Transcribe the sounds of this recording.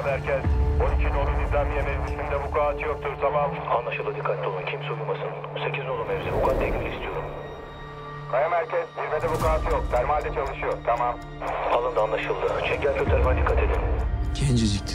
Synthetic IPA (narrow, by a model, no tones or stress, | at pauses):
mæɾcʰɛz̥onicʰinolˠunizʲæmjemeɾmʲisind̪ɛbukʰaːt͡ʃʰɯjok̚t̪ʰuɾzʰabamanlˠaʃɯlˠd̪ɯd̪ikʰːat̪ʲt̪ʰolˠuncʰimsojumasɯnse̞cizolˠumɛvzɛbukʰat̪ʰːɛkʲmilʲist̪ʰijo̞ɾum | kʰajamhæɾcʰɛshiɾved̪ɛbukaːt͡ʃ̪ʰɯjok̚t̪ʰæɾmalʲd̪ɛt͡ʃʰalˠɯʃɯjoɾt̪ʰamam | alˠɯnd̪aːnlˠaʃɯlˠd̪ɯt͡ʃʰɛɟælʲcʰøt̪ʰɛɾʲmɛnd̪ikʰːat̪ʰe̞d̪imcʰɛnd͡ʒizit̪ʰ